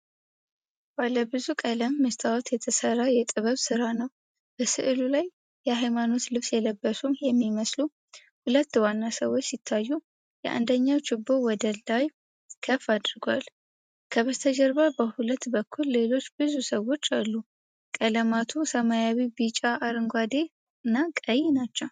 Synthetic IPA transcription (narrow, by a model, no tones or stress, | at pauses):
b̥aləbɨzukʼələmːɨst̪ʼawot̪jɛt̪ʰəsəɾajɛt̪ʼɨβəβsɨɾanəw | b̥əsɨʔlulaj | jɛɦajmano̞t̪lɨβsjɛləbːəsumjɛmːiməslu | hulət̪ːwanːasəwo̞t͡ʃːsɪt̪ʰːajːu | jɛʔa̰nd̪əɲːawt͡ʃɪbːowɔd̪əlːaj | kʰəfːad̪ɾɡwal | kʰəβət̪ʰəd͡ʒəɾbabəhulət̪ːbəkʰːulːe̞lo̞t͡ʃːbɨzusəwo̞t͡ʃːalːu | kʼələmat̪ʰusəmajawibit͡ʃʼaʔːɾɨŋɡʷad̪e̞ | ɨnːakʼəjːnat͡ʃːɛw